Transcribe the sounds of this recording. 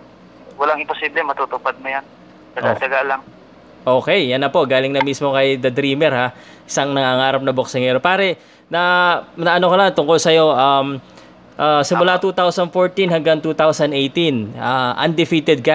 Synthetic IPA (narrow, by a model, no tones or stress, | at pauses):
wɐlaŋɪmposiblɛmɐt̪ut̪ʊpad̪̚mojan | t̪ɐɡad̪ɐɡalɐŋ | ʔo̞ːkɛjːɐnːɐpo̞ʔɡaːlɪŋnɐmismo̞kɐjd̪ɐd̪ɾiːmɛɾha | ɪsɐŋnɐŋaŋaːɾɐp̚nɐbok̚sɪŋɛːɾopaːɾɛ | nɐnɐʔɐnokolaŋt̪ʊŋkolsɐjo̞ʔɐm | ʔasɪmʊlat̪uːt̪awsɐnd̪̚foɹt̪inhɐŋɡɐŋt̪uːt̪awsɐnʔejt̪inaʔɐ̰nd̪ɪfiːt̪ɛd̪̚ka